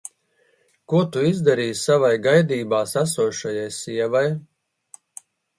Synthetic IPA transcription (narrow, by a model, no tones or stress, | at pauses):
kuɔt̪uizd̪aɾiːssavajɡajd̪iːbaːsasuɔʃajajsiɛvaj